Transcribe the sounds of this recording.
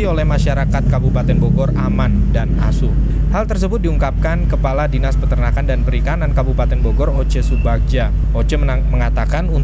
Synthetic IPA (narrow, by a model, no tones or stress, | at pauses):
iolɛhmaʃaɾakat̪̚kabupat̪ɛnboɡɔraman | dana̰su | halt̪ərsəbʊt̪̚diuŋkap̚kankəpaladinaspət̪ərnakandanpəɾikanankabupat̪ɛnboɡɔrot͡ʃəsubak̚d͡ʒa | ot͡ʃə | məŋat̪akanun